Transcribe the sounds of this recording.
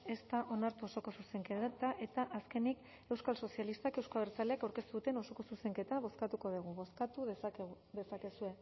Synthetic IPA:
e̞st̪aʔo̞naɾt̪uoso̞ko̞suse̞ŋket̪aʔe̞t̪aʔaske̞nik | ewskalso̞sjalist̪ake̞wskaβeɾt͡saleakawɾke̞st̪uðut̪e̞no̞so̞ko̞suse̞ŋke̞t̪aβo̞skat̪uko̞ðiɣ̞uβoskat̪uð | ðe̞sake̞sue̞

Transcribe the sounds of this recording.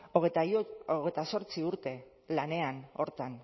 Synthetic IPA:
oɣet̪aoɣet̪aso̞ɾt͡siuɾt̪e̞ | lane̞ano̞̰ɾt̪an

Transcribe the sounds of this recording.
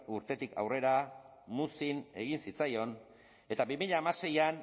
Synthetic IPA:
uɾt̪e̞t̪ikʰa̰wre̞ɾa | musine̞̰ɣinsit͡sajo̞n | e̞t̪abimiʎaːmase̞jan

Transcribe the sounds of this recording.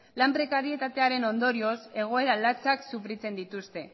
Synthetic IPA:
lampɾe̞kaɾie̞t̪at̪e̞aɾe̞no̞nd̪o̞ɾio̞se̞ɣ̞o̞e̞ɾalat͡saksufɾit͡se̞nd̪it̪ust̪e̞

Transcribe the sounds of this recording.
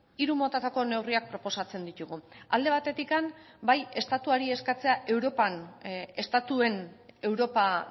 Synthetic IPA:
iɾumo̞t̪at̪ako̞ne̞wriak̚pɾo̞po̞sat͡se̞nd̪it̪uɣuald̪e̞β̞at̪e̞t̪ikan | baje̞st̪at̪uaɾie̞skat͡se̞aʔe̞wɾo̞pane̞st̪at̪ue̞ne̞wɾo̞pa

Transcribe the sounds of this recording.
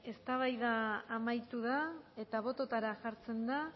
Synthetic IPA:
e̞st̪aβajðaːmajt̪uðae̞t̪aβ̞o̞t̪ot̪aɾaʝaɾt͡se̞nd̪a

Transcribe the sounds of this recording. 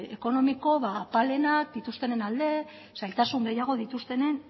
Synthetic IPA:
eko̞no̞miko̞βapale̞nak̚d̪it̪ust̪e̞nenald̪e̞ | sajlt̪asuŋɡe̞jaɣ̞o̞ðit̪ust̪e̞ne̞n

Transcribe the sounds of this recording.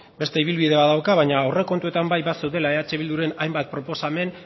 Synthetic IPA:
be̞st̪e̞iβilβiðe̞βaðawkaβajɲaore̞ko̞nt̪ue̞t̪ambajβasewðe̞lae̞at͡ʃe̞βild̪uɾe̞najmbat̪̚pɾo̞po̞same̞n

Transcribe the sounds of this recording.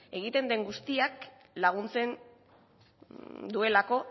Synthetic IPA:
e̞ɣ̞it̪e̞nd̪e̞ŋɡust̪iak | laɣ̞unt͡se̞n | d̪ue̞lako̞

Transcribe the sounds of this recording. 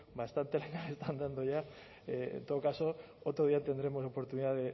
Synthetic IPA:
bast̪ant̪e̞leŋaest̪and̪and̪oʝa | ḛnt̪ookaso̞ | ot̪ɾoðiat̪e̞nd̪ɾe̞mo̞so̞po̞ɾt̪uniðaðe

